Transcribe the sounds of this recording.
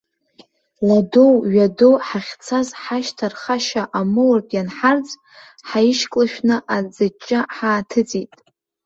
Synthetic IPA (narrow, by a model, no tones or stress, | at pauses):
ladowɥadowħaχʲt͡sʰazħaʃtʰarχaʃaʔamɨwartʼjanħart͡sʼ | ħaiʃkʼlaʃᶣnɨʔad͡zat͡ʃʼːaħaːtʰɨt͡sʼitʼ